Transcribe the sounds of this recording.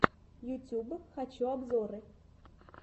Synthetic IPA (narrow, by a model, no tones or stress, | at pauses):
jutʲubxat͡ɕuabzɔɾɨ